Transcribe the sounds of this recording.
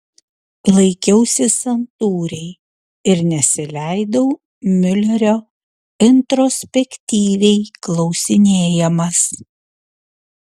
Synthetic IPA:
lˠɐɪkʲɛʊsʲɪsɐnt̪uːɾʲɛɪ | ɪɾnʲɛsʲɪlʲæɪd̪ɐʊ | mʲʏlʲɛɾʲoː | ɪnt̪ɾɔsʲpʲɛkʲt̪ʲiːʋʲɛɪklˠɒʊsʲɪnʲeːjɛmɐs

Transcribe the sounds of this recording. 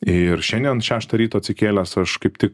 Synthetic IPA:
ɪɾʃʲɛnʲd̪ʲɛnʃʲæːʃt̪ɐɾʲiːt̪oːɐt̪sʲɪkʲeːlʲæsɐʃkɐɪpt̪ʲɪk

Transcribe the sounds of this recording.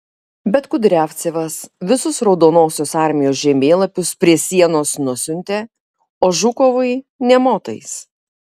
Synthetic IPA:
bʲɛt̪kʊd̪ʲɾʲæːfʲt̪sʲeʋɐsʋʲɪsʊsɾɒʊd̪oːnoːsʲoːsɑˑɾʲmʲɪjoːs̬ʒʲɛmʲeːlˠɐpʲʊspʲɾʲiɛsʲiɛnoːsnʊsʲʊnʲt̪ʲeː | oːʒʊkoʋɐɪnʲɛmoːt̪ɐ̰ɪs

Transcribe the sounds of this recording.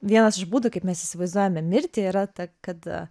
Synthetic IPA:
ʋʲiɛnɐsɪʃbuːd̪okɐɪpmʲɛsɪsʲɪʋɐɪzd̪uɔjɛmʲɛmʲɪɾʲt̪ʲɪiːɾɐt̪ɐkɐt̪

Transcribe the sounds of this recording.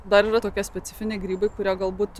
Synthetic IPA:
d̪ɐɾiːɾɐt̪oːkʲiɛsʲpʲɛt̪sʲɪfʲɪnʲɛɪɡɾʲiːbɐɪkʊɾʲiɛɡɐlˠbuːt̪

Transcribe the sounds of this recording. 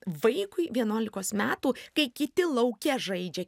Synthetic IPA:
ʋɐɪkʊɪʋʲiɛnuɔlʲɪkoːsmʲæːt̪uːkɐɪkʲɪt̪ʲɪlˠɐʊkʲɛʒɐɪd͡ʒʲɛ

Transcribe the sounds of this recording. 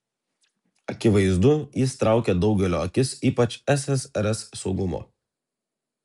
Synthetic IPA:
ɐkʲɪʋɐɪzd̪ʊjɪst̪ɾɑˑʊkʲeːd̪ɒʊɡʲɛlʲo̰ːɐkʲɪsiːpɐt͡ʃʲɛsʲɛsɛɾʲɛsːɒʊɡʊmo̰ː

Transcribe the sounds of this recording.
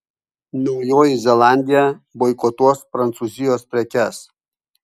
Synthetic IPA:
nɔʊjoːjɪzʲɛlˠɑːˑnʲd̪ʲɪjɛbɔɪkɔt̪uɔspɾɐnt̪suːzʲɪjoːspʲɾʲɛkʲɛs

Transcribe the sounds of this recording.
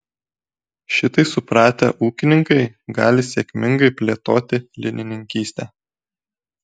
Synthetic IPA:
ʃʲɪt̪ɐɪsʊpɾɑːt̪ʲɛ̰ʔuːkʲɪnʲɪŋkɐɪɡɑːlʲɪsʲɛkʲmʲɪŋɡɐɪpʲlʲeːt̪oːt̪ʲɪlʲɪnʲɪnʲɪŋʲkʲiːsʲt̪ʲɛ

